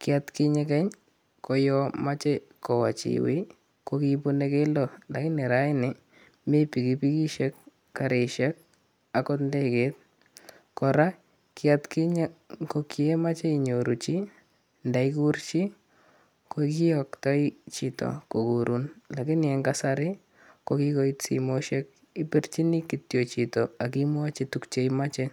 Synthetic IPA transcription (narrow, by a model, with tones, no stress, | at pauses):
kɪatki˦ɲɛ˦kɛ˦ɲ | kɔ˦jɔ˦ma˦t͡ʃɛ˦ | kɔ˨wa̰˨t͡ʃḭwḭ˦ | kokipu˦ne˦ke˦lo˨la˨kɪ˦nɛ˨ɾa˨˦ɪ˦nɪ˨ | me˦pi˨ki˦pi˦ki˦ʃɛ˦kː | a˨ɾe˨ʃɛ˦k̚ | a˨kɔ˦tndɛ˦ke˦t̚ | kɔ˨ɾa˦ | kɪatki˦ɲkoki˦ɛ˦ma˦t͡ʃɛ˦i˨ɲoɾu˨t͡ʃi˦ | ndaikurt͡ʃi˦ | koki˦ɔktɔ˦i˦t͡ʃito̰˨ko˨kuɾʔunla˨kɪ˦nɛ˧ŋɡasaɾɪ˦ | koki˦ko˦itsḭmoʃɛ˦k̚ | i˦pi˦rt͡ʃi˦ni˦kitjot͡ʃi˨toa˨kimwa˦t͡ʃi˦tukt͡ʃe˦imat͡ʃɛ